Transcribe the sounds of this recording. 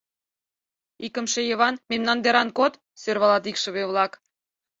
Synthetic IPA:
ikə̆mʃejeβɑnmemnɑnd̪eɾɑnkot̪ | sørβɑlɑt̪ikʃə̆βeβlɑk

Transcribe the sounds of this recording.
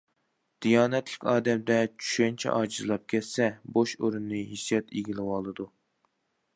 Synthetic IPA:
d̪̥ijɑːnɛt̪lɪkʲɑːd̪ɛmd̪ɛt͡ʃʰy̥ʃɛnt͡ʃʰɛ̰ʔɑːd͡ʒɨzɨlˠɑp̚kʲʰɛt̪sɛboʃoɾunːɨɦisjɛt̪iɡʲilɪwɑlˠɨd̪u

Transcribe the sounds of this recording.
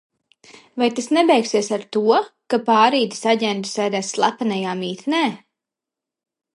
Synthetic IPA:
vajt̪asnɛbɛjksiɛsaɾt̪uɔkapaːɾiːt̪i̥saɟɛnt̪u̥sɛːd̪ɛːsːlˠapanajaːmiːt̪nɛː

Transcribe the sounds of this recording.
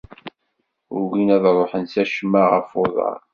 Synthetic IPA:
ʊɾɡinæðɾˤoħənsæʃmːaʁəfoðˤɑ̰ɾ

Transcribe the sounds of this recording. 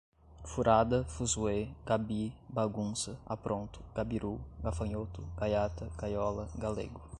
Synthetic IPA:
fuɾʔad̪ɐfuzueɡabibaɡũsɐa̰pɾʔõnt̪ʊ̥ɡ̥abiɾuɡafɐ̃ɲot̪ʊɡ̥ajat̪ɐɡajɔlɐɡalḛɡʊ

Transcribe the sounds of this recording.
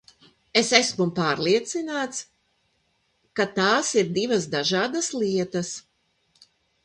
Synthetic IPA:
esæsmumpaːɾlˠiɛt̪sinaːt̪s | kat̪aːsiɾd̪ivɐsd̪aʒaːd̪aslˠiɛt̪as

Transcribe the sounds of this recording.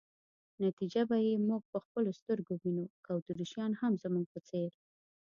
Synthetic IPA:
nat̪id͡ʒabajemuɡ̚pəxpəlost̪əɾɡowinukawt̪uɾiʃjɑnhamzəmuŋɡ̚pət͡seɾ

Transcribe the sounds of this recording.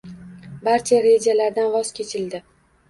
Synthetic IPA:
baɾt͡ʃʰaɾed͡ʒalaɾd̪anvɒz̥kʲe̞t͡ʃʰɪld̪ɪ

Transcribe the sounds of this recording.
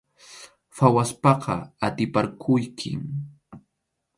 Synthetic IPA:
fawaspɑqɑat̪ɪpaɾkʰʊjkʰɪ̰m

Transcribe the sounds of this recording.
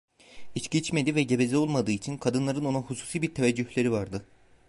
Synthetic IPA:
it͡ʃcit͡ʃmed̪ivɛɟe̞be̞zʲɛo̞lˠmad̪ɯːit͡ʃʰinkʰad̪ɯnlˠaɾɯno̞nuhusu̥ːsiːbiɾt̪ʰevɛd͡ʒːyçlʲe̞ɾivaɾd̪ɯ

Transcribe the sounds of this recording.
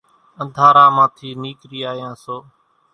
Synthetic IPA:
ə̃nd̪ʱaːɾaːmãːt̪ʰiːniːkɾiːaːjãːsoː

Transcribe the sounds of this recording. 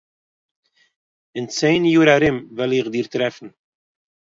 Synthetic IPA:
ɪnt͡seːnjuːɾaɾɪmvɪlɪχdiːɾtɾɛfn̩

